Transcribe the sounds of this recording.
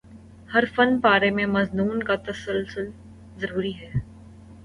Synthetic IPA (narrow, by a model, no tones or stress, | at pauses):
hɐɾfɐnpaːɾemẽmɐznuːnkat̪ɐsəlsʊl | zɐɾuːɾiɦɛː